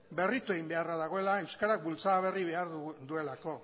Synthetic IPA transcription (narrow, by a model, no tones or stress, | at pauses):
be̞rit̪ue̞ɣimbe̞araðaɣ̞o̞e̞lae̞wskaɾak̚bult͡saβ̞e̞riβe̞aɾðd̪ue̞lako̞